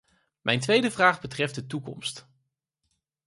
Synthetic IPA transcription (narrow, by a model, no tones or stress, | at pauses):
mʔɛ̰jntʋejdəvraːχbətrɛft̚dətukɔ̰mst